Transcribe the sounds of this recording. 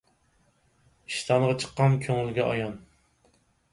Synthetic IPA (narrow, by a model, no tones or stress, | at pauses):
iʃt̪ʰɑnʁɑt͡ʃʰə̥qːɑnkʲʰøŋylɡʲɛʔɑ̰jɑn